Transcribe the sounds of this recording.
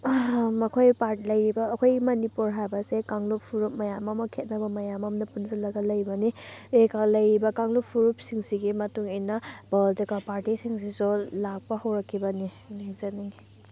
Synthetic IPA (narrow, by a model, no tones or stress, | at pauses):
mɐkʰojpaɾtlɐjɾibɐːkʰojɡimɐnipuɾɦajbɐsekaŋluppʰuɾup̚mɐjamɐmɐkʰet̚nɐbɐmɐjamɐmnɐpunzɐlɐɡɐlɐjbɐniekalɐjɾibɐkaŋlupʰuɾup̚siŋsiɡimɐtuŋejnɐbɐldekapaɾtisiŋsizolak̚pɐhɐwɾɐkʰːibɐni | neŋzɐnaŋi